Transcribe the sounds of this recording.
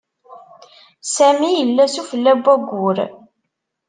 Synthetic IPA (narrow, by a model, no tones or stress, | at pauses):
sæmijəlːæsufəlːæbːæɡʷːʊɾ